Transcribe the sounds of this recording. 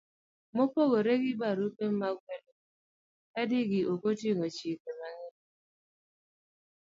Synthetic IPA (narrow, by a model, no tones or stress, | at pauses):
mopoɣoɾeɡɪbaɾukem̩maɡʷedo | ɛdɪɡɪʔokotiŋot͡ʃikemaŋɪ